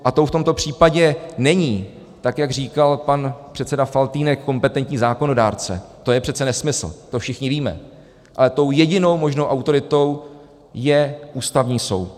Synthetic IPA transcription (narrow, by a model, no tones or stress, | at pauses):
ʔat̪o̞wft̪o̞mt̪o̞pr̝̥iːpaɟɛnɛɲiː | t̪akjaɡr̝iːkalpanpr̥ɛt̪t͡sɛdafalt̪iːnɛkːo̞mpɛt̪ɛnt̪ɲiːzaːko̞no̞daːɾt͡sɛ̰t̪o̞jɛpr̥ɛt̪t͡sɛnɛsmɪsl̩̰t̪o̞fʃɪxɲɪviːmɛ̰ | ʔa̰lɛt̪o̞wjɛɟɪno̞wmo̞ʒnowʔawt̪o̞ɾɪt̪o̞w | jɛʔuːst̪avɲiːso̰w